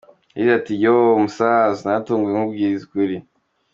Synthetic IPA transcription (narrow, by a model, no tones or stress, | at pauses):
jizatijomusazinatuːŋɡujeŋubɡiziɡwiɾi